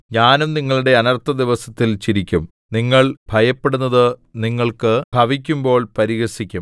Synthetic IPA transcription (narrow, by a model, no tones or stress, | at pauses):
ɲaːnumniŋːɐɭuɽe̞ɐnɐrt̪ːɐd̪iʋɐsɐt̪ːilt͡ɕiɾikʲːum | niŋːɐɭbʱɐjɐpːe̞ɽunːɐðɨniŋːɐɭkɨbʱɐʋikʲːumbo̞ːɭpɐɾiɣɐsikʲːum